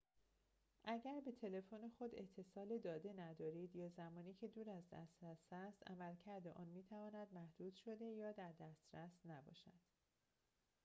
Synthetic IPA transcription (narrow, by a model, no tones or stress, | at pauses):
ʔæɟæɾbe̞t̪ʰe̞le̞fone̞xo̞d̪e̞t̪ʰːe̞sɒːled̪ɒːd̪e̞næd̪ɒːɾiːd̪jɒːzæmɒːniːcʰe̞d̪uːɾæzd̪æ̰st̪ɾæsæst̪æ̰mælcʰæɾd̪eʔɒːnmiːt̪ʰævɒːnæd̪mæhd̪̥uːd̪̥ʃo̞d̪e̞jɒːd̪æɾd̪æst̪ɾæsnæbɒ̰ːʃæd̪̥